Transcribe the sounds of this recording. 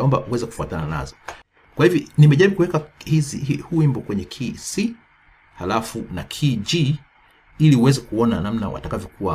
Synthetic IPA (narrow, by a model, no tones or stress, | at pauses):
ɔmbauwɛzɛku̥fuatanana̰zɔ | kwahivjɔnimɛʄaɾiɓukuwɛkahiziihuːimbɔkwɛɲɛkʰisi | halafunakʰid͡ʒi | iliuwɛzɛkuɔnanam̩na̰wʔa̰takavjɔkuwa